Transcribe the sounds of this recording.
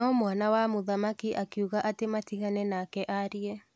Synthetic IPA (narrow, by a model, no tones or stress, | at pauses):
ɔmwanawamoðamakiʔakiuɣaʔatematiɣanɛnakɛʔaɾiɛ